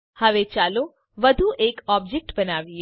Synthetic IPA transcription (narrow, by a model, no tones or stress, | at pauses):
hɐʋet͡ʃaːlo | ʋɐd̪ʱuʔeːkɔːb̚d͡ʒek̚ʈbɐnaːʋie